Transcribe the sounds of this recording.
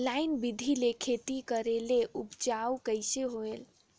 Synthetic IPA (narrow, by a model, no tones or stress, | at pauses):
lajinbid̪ʱilekʰet̪ikəɾeleʔupt͡ʃawkəjseɦoel